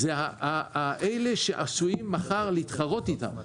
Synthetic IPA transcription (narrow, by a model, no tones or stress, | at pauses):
zeaaaʔejleʃeʔasujimːaχaʁleit̪χaʁo̞tita̰m